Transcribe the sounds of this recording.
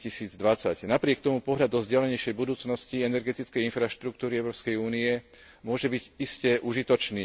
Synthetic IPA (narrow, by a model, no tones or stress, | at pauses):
cisiːd͡zd̪ʋat͡sacnapɾɪɛk̚t̪ɔmupɔɦʎad̪ɔzɟɪalɛɲɛjʃɛjbud̪uːt͡snɔsciɛnɛɾɡɛt̪it͡skɛjinfɾaʃt̪ɾuk̚t̪uːɾiɛʊɾɔːpskɛjuːniɛ | mʊɔʒɛbiɟiscɛʔuʒit̪ɔt͡ʃniː